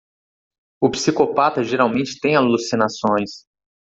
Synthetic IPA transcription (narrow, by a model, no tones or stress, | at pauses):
ʊpsikopat̪ɐʒeɾawmẽnt͡ʃɪ̥t̪ẽj̃alusinasõj̃s